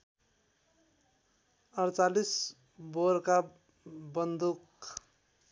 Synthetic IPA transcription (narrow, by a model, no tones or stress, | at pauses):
ʌɾt͡salis | boɾka | bʌnd̪uk